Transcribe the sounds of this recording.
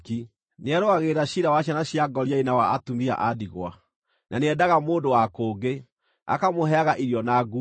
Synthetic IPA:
ki | neaɾoaɣeɾaɕiɾawaɕjanaɕjaɡɔɾiainawaatumia̰ʔadiɣwa̰ | naneɛdaɣamoːndowakoːɡe | a̰kamoɦɛaɣaʔiɾjɔnaɡu

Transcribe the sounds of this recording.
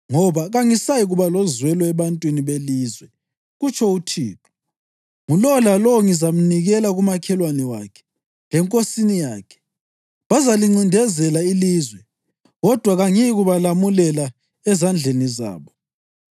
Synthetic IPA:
ŋɔβaɣaŋisajiɣuβalɔzwɛlɔɛβantʼwiniβelizwɛ | ɣut͡ʃʰʼɔutʰiːtʰɔ̥ | ŋulɔlalɔwŋizam̩niɣɛlaɣumakʰɛlwanɛwakʰɛ̥ | ŋɛŋkʼosinijaːkʰɛ̥ | βazaliŋ͡ǀindʱɛzɛlailizwɛ | ɣɔd̥ʱwaɣaŋɛjiɣuβalamulɛla | ɛzand͡ɮʱeniza̰ːβɔ

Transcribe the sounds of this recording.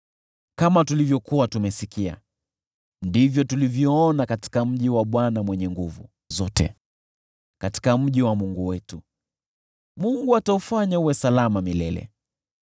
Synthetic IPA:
kamatulivjɔkuwatumɛsikia̰ | ndivjɔtulivjɔɔnakati̥kam̩ʄiwaɓwanamwɛɲɛŋɡuvṵ | zɔtɛ̰ | kati̥kam̩ʄiwamuŋɡuwɛtu | muŋɡuataufaɲauwɛsalamamilɛlɛ̰

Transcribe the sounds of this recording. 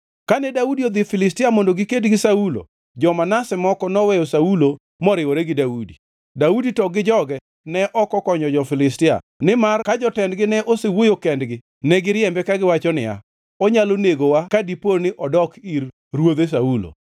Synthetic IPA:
kanɛdaudiod̪ɪfɪlɪstɪamondoɡɪkedɡɪsaulo̰ | d͡ʒɔmanasɛmɔkɔnɔwɛjɔsaulo | mɔɾɪwɔɾɛɡɪdaudi | dauditɔɡɪd͡ʒɔɡɛ | nɛʔɔkɔkɔɲɔd͡ʒɔfɪlɪstɪa̰ | nɪmarkad͡ʒɔtɛndɡɪnɛʔosewojokɛndɡɪ | nɛɡɪɾjɛmbɛkaɡɪwat͡ʃɔnɪ̰ja̰ | ɔɲaloneɡowakadiponɪʔɔdɔkir | rwod̪es̬aulo̰

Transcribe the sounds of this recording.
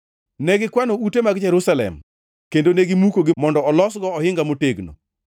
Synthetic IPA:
neɡɪkwanoutemaɡd͡ʒɛɾusalɛ̰m | kendoneɡɪmukoɡɪmɔndɔɔlɔsɡɔɔhɪŋɡamoteɡno̰

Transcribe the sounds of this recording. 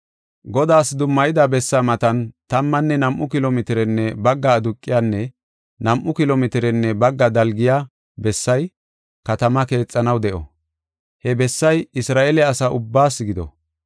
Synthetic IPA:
ɡɔd̪aːsd̪ʊmːɐjɪd̪ɐbɛsːɐmɐt̪ɐnt̪ɐmːɐnːɛnɐmʔʊkɪlomɪt̪ɪɾɛnːɛbɐɡːɐːd̪ʊkʼːɪjanːɛ | nɐmʔʊkɪlomɪt̪ɪɾɛnːɛbɐɡːɐd̪ɐlɡɪja | bɛsːɐj | kɐt̪ɐmɐke̞ːt͡sʼːɐnɐwd̪ɛʔɔ̰ | hɛbɛsːɐjɪsɾaːʔelɛɐsaʊbːaːsːɡɪd̪ɔ̰

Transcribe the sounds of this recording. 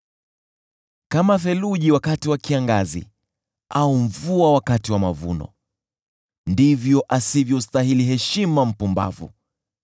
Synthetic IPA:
kamafɛluʄiwakatiwakiaŋɡazḭ | aum̩vuawakatiwamavṵnɔ̰ | ndivjɔʔasivjɔstaɦiliɦɛʃimam̩pumba̰vṵ

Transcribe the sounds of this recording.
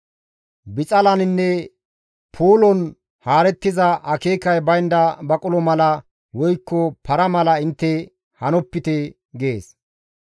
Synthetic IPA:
bɪt͡sʼɐlɐnɪnːɛ | pʰuːlɔn | haːɾɛt̪ːɪzɐʔɐkeːkɐjbɐjnd̪ɐbɐkʼʊlɔmɐlɐ | wɔjkːɔpʰɐɾɐmɐlɐɪnt̪ːɛ | hɐnɔpːɪt̪ɛ | ɡe̞ːs

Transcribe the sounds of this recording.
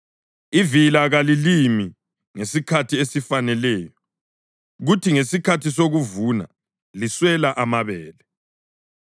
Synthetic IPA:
ivilaɣalilimi | ŋesikʰatʰiesifanɛlɛːjɔ | ɣutʰiŋesikʰatʰisoɣuvuna̰ | liswɛlaʔamaβɛːlɛ

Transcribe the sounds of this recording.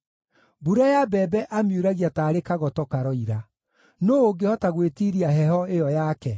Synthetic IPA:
buɾajabɛbɛʔamjuɾaɣiataːɾekaɣɔtɔkaɾɔiɾa | noːɡehɔtaɣwetiːɾiaɦɛɦɔejɔjakɛ

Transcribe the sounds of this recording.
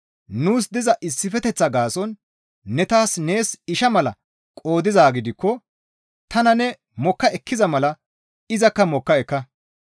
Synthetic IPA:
nuːsd̪ɪzɐʔɪsːɪfɛt̪ɛt͡sːɐɡaːsɔnː | ɛt̪aːsne̞ːsɪʃɐmɐlɐ̰ | kʼo̞ːd̪ɪzaːɡɪd̪ɪkːɔ | t̪ɐnɐnɛ | mɔkːɐʔɛkʰːɪzɐmɐlɐ | ɪzɐkːɐmɔkːɐɛkːɐ

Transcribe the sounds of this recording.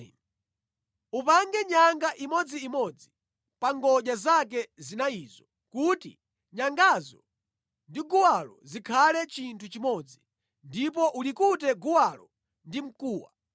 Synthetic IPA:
upaŋɡɛɲaŋɡaʔimɔd͡ziːmɔd͡zi | paŋɡɔʄazak̬ɛzinaizɔ | kutḭ | ɲaŋɡazɔ̰ | ndiɡuwalɔ̰zikʰalɛt͡ʃintʰut͡ʃimɔd͡zi | ndip̬ɔʔulikutɛɡuwalɔ | ndim̩kuːwa̰

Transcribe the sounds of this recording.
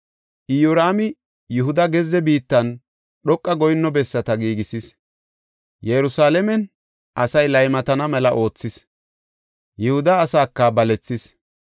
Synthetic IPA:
ʔɪjoɾaːmɪ | jʊɦʊd̪ɐɡɛzːɛbiːt̪ːɐn | ɗɔkʼːɐɡɔjnːɔbɛsːɐt̪ɐɡiːɡɪsɪs | jɛɾʊsaːlɛmɛn | ʔɐsɐjlɐjmɐt̪ɐnɐmɛlɐʔo̞ːt͡sːɪs | jɪhʊd̪ɐːsaːkːɐbɐlɛt͡sːɪs

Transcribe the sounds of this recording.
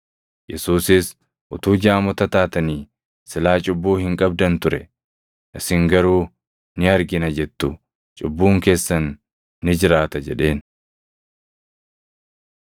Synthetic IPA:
jɛsuːsɪs | ʔʊt̪uːd͡ʒaːmɔt̪ɐt̪aːt̪ɐniː | sɪlaːt͡ʃʼʊbːuːhɪŋkʼɐb̚d̪ɐnt̪ʊɾɛ̰ | ʔɪsɪŋɡɐɾuː | nɪɐɾɡɪnɐd͡ʒɛt̪ːʊ | t͡ʃʼʊbːuːŋke̞ːsːɐnː | ɪd͡ʒɪɾaːt̪ɐd͡ʒɛᶑe̞ːn

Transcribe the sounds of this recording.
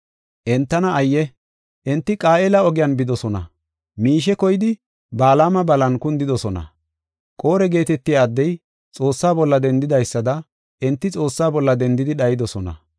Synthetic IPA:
ʔɛnt̪ːɐnɐɐjːɛ | ʔɛnt̪ːɪkʼaːʔeːlɐɔɡɪjɐnbɪd̪ɔsɔnɐ̰ | miːʃ̬ɛkɔjɪd̪ɪ | baːlaːmɐbɐlɐnkʊnd̪ɪd̪ɔsɔnɐ̰ | kʼo̞ːɾɛɡe̞ːt̪ɛt̪ːɪjaːd̪ːɛj | t͡sʼo̞ːsːaːbɔlːɐd̪ɛnd̪ɪd̪ɐjsːɐd̪ɐ | ʔɛnt̪ːɪt͡sʼo̞ːsːaːbɔlːɐd̪ɛnd̪ɪd̪ɪɗɐjɪd̪ɔsɔnɐ̰

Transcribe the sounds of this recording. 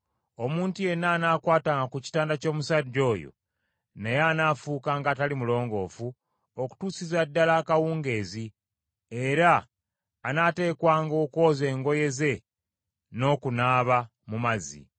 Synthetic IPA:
o̞muːntuje̞naːnaːkwaːtaːŋɡakuci̥taːndaco̞ːmusaɟːo̞ːjo̰ | nejaːnaːfuːkaːŋɡaːtalimulo̞ːŋɡo̞fu | oku̥tuːsizadːalaːkawuːŋɡe̞ːzi | eɾaː | nate̞ːkwaːŋɡo̞ko̞ːze̞ːŋɡo̞je̞ze̞ | no̞kunaːβa | mumazḭ

